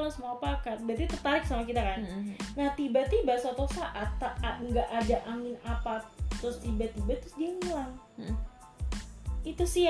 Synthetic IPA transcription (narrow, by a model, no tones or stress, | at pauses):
alosəmuapakat̪̚bɾat̪it̪ərt̪aɾɪk̚samakit̪akannaht̪ibat̪ibasot̪osaʔat̪aŋɡaʔadaʔaŋɪnapat̪ɾʊst̪ibat̪ibat̪ɾʊsdiaŋəlaŋ | it̪usi